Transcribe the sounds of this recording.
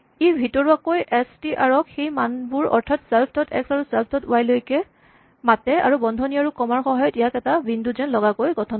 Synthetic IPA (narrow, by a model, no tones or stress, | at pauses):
ibʱitɔɹuakojʔɛstiʔaɹɔkxejmanbuɹɔ̰ɹtʰatsɛlpʰtɔtʰɛ̰ksaɹusɛlpʰtɔtʊajlojkɛ | matɛa̰ɹubɔndʱɔniaɹukɔmaɹxɔɦɔjɔtijakɛtabʱinduzɛnlɔɡakojɡɔtʰɔn